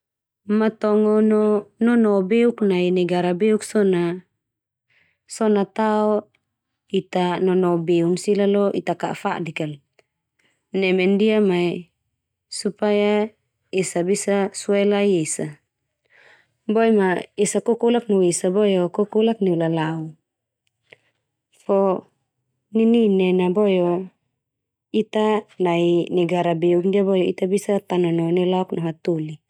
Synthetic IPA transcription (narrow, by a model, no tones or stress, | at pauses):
mat̪ɔŋɔnɔnɔnɔbeuknainɛɡaɾabeuksɔna | sɔnat̪aɔ | it̪anɔnɔbeunsilalɔʔit̪aka̰ʔfa̰dikal | nɛmɛndiamai | supaja | esabisasuajlajesa | bojmaesakokolak̚noesabojokokolakniwlalau | fo | nininɛnabojo | it̪anainɛɡaɾabeuk̚ndiabojoit̪abisat̪ananonɛlaɔknoɦat̪uli